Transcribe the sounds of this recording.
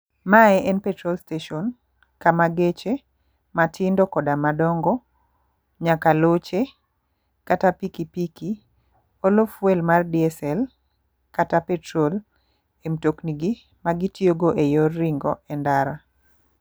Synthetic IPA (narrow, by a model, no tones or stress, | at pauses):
maɛʔɛnpɛtɾolsteʃɔn | kamaɡet͡ʃe | matʰɪndɔkɔdamadɔŋɡɔ | ɲakalot͡ʃe | katapikipiki | olofwɛlmardiɛsɛl | katapɛtɾol | emtokniɡi | maɡitjoɡoʔejɔrːɪŋɡɔɛndaɾa